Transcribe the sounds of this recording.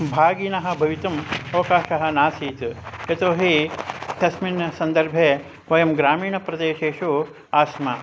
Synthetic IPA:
bʱaːɡiːnɐɦɐ̆bʱɐʋit̪ɐmɐʋɐkaːʃɐɦɐ̆naːsiːt̪et̪oːɦit̪ɐsminɐsɐnd̪ɐɾbʱe | ʋɐjɐmɡɾaːmiːɳɐpɾɐd̪eːʃeːʃu | aːsmɐ

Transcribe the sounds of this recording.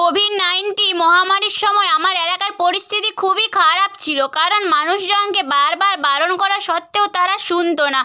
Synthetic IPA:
obʱinːajnʈimɔɦamaɾiɾʃɔmɔeamaɾɛlakaɾpoɾist̪ʰit̪ikʰubikʰaɾapt͡ɕʰilokaɾonmanuʃd͡ʑɔnkebaɾbaɾbalonkɔɾaɾʃɔt̪ːeot̪aɾaʃunt̪ona

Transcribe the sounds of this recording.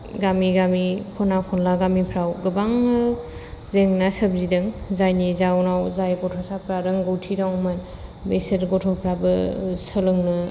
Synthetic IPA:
ɡamiɡamikʰɔnakʰɔnlaɡamipʰɾawɡɯbaŋɯ | zeŋnasəb̚zidɯŋzajnizawnawzajɡɔtʰɔsapʰɾaɾɯŋɡɯwtʰiɾawman | beseɾɡɔtʰɔpʰɾabɯsəlɯŋnɯ

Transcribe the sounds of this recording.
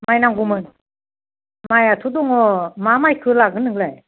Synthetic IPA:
majnaŋɡumɯn | majatʰudɔŋɔmamajkʰɯlaɡɯnɯŋlaj

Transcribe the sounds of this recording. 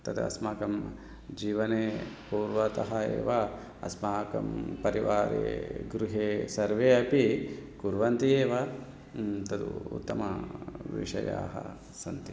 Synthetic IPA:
t̪ɐt̪ɐ̰smaːkɐm | d͡ʒiːʋɐneːpuːɾʋɐt̪ɐɦɐḛːʋɐ | ɐ̰smaːkɐ̰mpɐɾiʋaːɾḛːɡɾuɦeːsɐɾʋeːɐpikuɾʋɐnt̪ieːʋɐ | t̪ɐd̪ṵṵt̪ːɐmɐ̰ʋḭʂɐ̰ja̰ːɦɐ̰ | sɐnt̪i

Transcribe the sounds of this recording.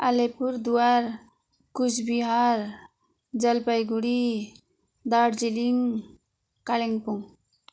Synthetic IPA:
alepuɾd̪uaɾ | kut͡ʃʰbiɦaɾ | d͡ʒəlpəjɡuɽi | d̪aɽd͡ʑiliŋ | kaleŋpuŋ

